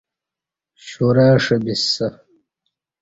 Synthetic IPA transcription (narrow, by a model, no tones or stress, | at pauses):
ɕoɾaːʂɐbisːɐ